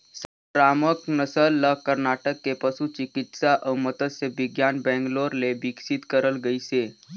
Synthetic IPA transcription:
sə | pɾaməknəsəlːəkəɾnaʈəkːepəsut͡ʃikit̪saʔəwmət̪əseʋiɡjanbɛ̃ŋɡloɾlebiksit̪kəɾəlɡəjse

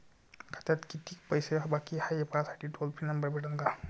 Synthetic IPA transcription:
kʰḁt̪at̪kit̪iːkpəjsebakihajepasaʈʰiːʈolpʰinəmbəɾbʱeʈənɡa

